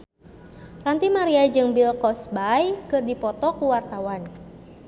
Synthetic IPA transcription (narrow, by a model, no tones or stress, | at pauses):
rant̪imaɾiad͡ʒɨŋbilkɔsbajkɨrdipɔt̪ɔkuwart̪awan